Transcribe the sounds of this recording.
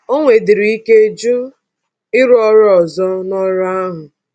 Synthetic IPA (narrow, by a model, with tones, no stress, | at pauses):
o˦ŋʷe˨dɪ˨ɾi˨i˦ke˦d͡ʒu˦ | ɪ˦ɾɔ˦ɾɔ˨zɔ˦nɔ˦ɾa˦ɦʊ˨